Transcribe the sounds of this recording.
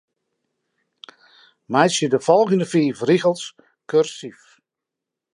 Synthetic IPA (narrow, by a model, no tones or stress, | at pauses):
majsjədəfɔlˠɣəndəfiːfriɣəlˠs | kørsif